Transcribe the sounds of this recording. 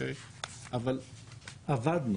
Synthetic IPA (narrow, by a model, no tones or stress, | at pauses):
e | ʔavalavad̪n